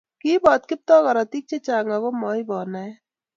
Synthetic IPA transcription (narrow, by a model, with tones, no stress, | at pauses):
ki˦bɔːt̪̚kɪ˦p̚t̪ɔ˦ɣa˨ɾat̪ik̚t͡ʃe˦t͡ʃaː˨ŋaɡo˦mɔ˨jbɔː˨na